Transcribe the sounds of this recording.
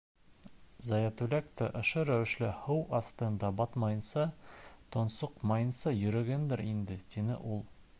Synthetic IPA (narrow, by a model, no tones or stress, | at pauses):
zɑjæt̪ʉlækt̪ɘʔŏʃoɾæwɘ̆ʃlɘhɤwɒθt̪ɤ̆nd̪ɑbɒt̪mɑjɤ̆nsɑt̪ŏnsoqmɑjɤ̆nsɑjɵ̆ɾɘ̆ɡɘnd̪ɘɾind̪ɘt̪inɘ̰ʔulˠ